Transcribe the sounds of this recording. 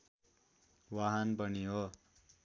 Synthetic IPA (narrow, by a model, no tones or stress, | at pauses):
waɦanbʌniɦo